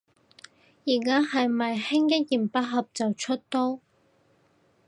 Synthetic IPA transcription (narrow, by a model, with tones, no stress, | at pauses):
jiː˨˩kaː˥hɐ˨jmɐ˨jhɪ˥ŋkɪ˥k̚jiː˨˩mpa˥ɦɐ˨p̚t͡sɐ˨wt͡ʃʰɵ˥t̚t̪o˥